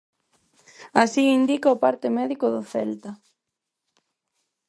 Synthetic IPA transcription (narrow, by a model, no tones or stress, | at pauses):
asiind̪ikaopaɾt̪ɪmɛðikʊðʊθɛ̰lt̪a